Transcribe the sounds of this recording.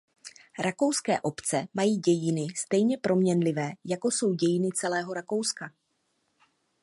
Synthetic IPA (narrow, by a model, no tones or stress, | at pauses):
ɾʔako̞wskɛ̰ːʔo̞pt͡sɛmajiːɟɛjɪnɪst̪ɛjɲɛpɾʔo̞mɲɛnlɪvɛːjako̞so̞wɟɛjɪnɪt͡sɛlɛːɦo̞ɾako̞wska